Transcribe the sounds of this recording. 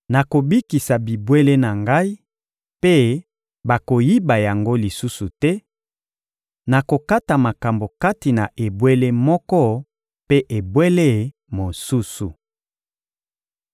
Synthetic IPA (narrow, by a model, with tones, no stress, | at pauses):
na˨ko˨bi˦ki˨sa˨bi˨bwe˦le˦na˨ŋɡa˦i˦ | pe˦ | ba˨ko˨ji˦ba˨ja˨ŋɡo˦li˨su˦su˨tɛ˦ | na˨ko˨ka˦ta˨ma˨ka˨mbo˨ka˦ti˨na˨ʔe˨bwe˦le˦mɔ˦kɔ˦ | pe˦ʔe˨bwe˦le˦ | mo˨su˦su˨